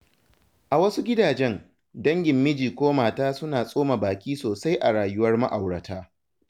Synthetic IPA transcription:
ʔa˨wɐ˦su˦ɡʲɪ˦daː˨d͡ʒɛ˦n | dɐ˦ŋɡʲɪ˨mːɪ˦d͡ʒiː˨kʷoː˦maː˨taː˦sʊ˦naː˨sʼoː˦ma˨baː˨kʲiː˦soː˨sa˦jʔa˨ɽaː˨jʊ˦wɐ˦rma˦ʔa˨wɽɐ˨tʰaː˦

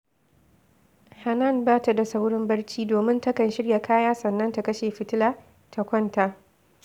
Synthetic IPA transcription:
ha˨nɐ˦˨nbaː˦ta˨da˨sa˦wɽɪ˦mbɐ˦ɽt͡ʃiː˦doː˨mɪ˦ntɐ˦kɐ˨nʃɪ˦ɽja˨kʰaː˦jaː˦sɐ˨nːɐ˦nta˨kɐ˦ʃeː˨ɸɪ˦˨tɪ˦laː˦ | tʰa˨kʷɐ˦nta˦ʔ

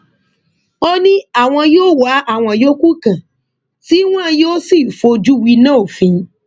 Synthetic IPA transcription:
ɔ˦nĩ˦a˦˨w̃ɔ̃˧joː˦wa˨˦ʔa˦˨w̃ɔ̃˧jo˦ku˦kã˨ | ti˨˦w̃ã˦˨joː˦si˦˨fo˧d͡ʒu˦wi˧nã˦o˦˨fĩ˧˦

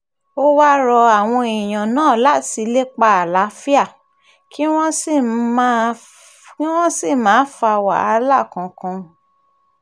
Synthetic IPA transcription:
o˦wa˦ɾɔ˧a˨w̃ɔ̃˧i˨j̃ã˨nãː˦˨la˨˦ti˧le˦k͡pa˧a˨la˨˦fi˦a˦˨ | ki˦w̃ɔ̃˦si˦˨˦ | ki˦w̃ɔ̃˦si˦˨mãː˨˦fa˧wa̰˨a̰˧˦la˦˨kã˧kã˧

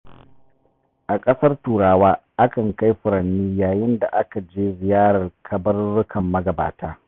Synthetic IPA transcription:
ʔa˨kʼɐ˦sɐ˦rtuː˨ɽaː˦waː˦ʔa˦kɐ˨ŋka˦jɸʊ˨ɾɐ˨nːiː˦jaː˨jɪ˦nda˨ʔa˦ka˨d͡ʒeː˦zɪ˨jaː˦ɽɐ˨rkʰɐ˨bɐ˦rːʊ˦kʰɐ˨mːɐ˦ɡɐ˨ba̰ː˨taː˦

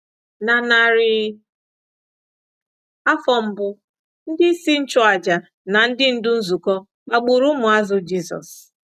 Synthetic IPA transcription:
na˨na˨ɾɪ˨ | a˦fɔ˨m̩˦bʊ˦ | n̩˦dɪ˦si˦n̩˦t͡ʃʊ˦a˨d͡ʒa˨ | na˨n̩˦dɪ˦n̩˦dʊ˦n̩˦zu˨kɔ˦ | k͡pa˨ɡ͡bu˨ɾʊ˦mʊ˨a˦zʊ˦d͡ʒi˦sɔ̰˨s

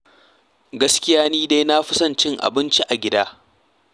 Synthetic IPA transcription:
ɡɐ˦skʲɪ˦jaː˦niː˦da˦jna˦ɸɪ˦sɐ˦˨nt͡ʃɪ˦ŋʔa̰˨bɪ˦nt͡ʃi˦ʔa˨ɡʲɪ˦daː˦

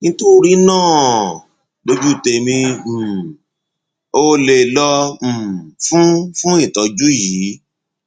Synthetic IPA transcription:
nĩ˧to˦ɾi˦nãː˦˨ | bo˧d͡ʒu˦˨te˧mĩ˧˨ | o˧le˨lɔ̃˧˨ | fũ˦fũ˦ĩ˦˨tɔ˨˧d͡ʒu˦ji˨˦

